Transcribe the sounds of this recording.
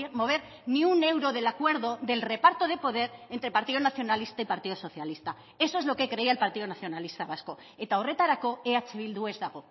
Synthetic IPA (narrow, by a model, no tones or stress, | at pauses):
mo̞β̞e̞ɾ | niune̞wɾo̞ðe̞lakwe̞ɾðo̞ðe̞lre̞paɾt̪o̞ð̞e̞po̞ðe̞ɾe̞nt̪ɾe̞paɾt̪iðonaθjo̞nalist̪aipaɾt̪iðoso̞θjalist̪a | e̞soezlo̞ke̞kɾe̞iaelpaɾt̪iðonaθjo̞nalist̪aβasko̞ | et̪awre̞t̪aɾako̞eat͡ʃeβild̪ue̞zðaɣo